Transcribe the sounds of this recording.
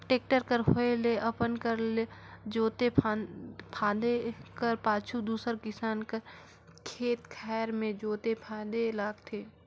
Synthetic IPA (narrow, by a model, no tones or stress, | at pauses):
ʈeːk̚ʈəɾkəɾɦoeleʔɐpənkəɾled͡ʒoːt̪epʰapʰaːd̪ekəɾpaːt͡ʃʰud̪uːsəɾkɪsaːnkəɾ | kʰeːt̪kʰɛːɾmẽd͡ʒoːt̪epʰaːd̪elaːɡt̪ʰeː